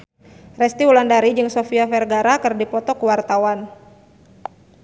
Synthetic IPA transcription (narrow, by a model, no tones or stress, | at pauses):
rɛst̪iulandaɾid͡ʒɨŋsofiafɛrɡaɾakɨrdipɔt̪ɔkuwart̪awan